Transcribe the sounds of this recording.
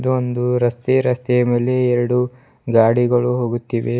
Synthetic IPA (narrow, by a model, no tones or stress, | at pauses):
d̪uond̪uɾɐst̪eɾɐst̪ɛjɐme̞ːle̞ɛɾɐɽu | ɡaːɽiɡɐɭuɦo̞ːɡut̪ːiʋe